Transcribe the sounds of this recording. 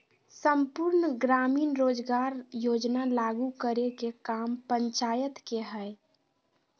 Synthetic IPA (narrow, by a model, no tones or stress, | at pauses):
səmpuɾnɡɾaːmiːnɾoːd͡ʒɡaːɾjoːd͡ʒnalaɡukəɾekekampəɲt͡ʃaːjət̪keɦɛɪ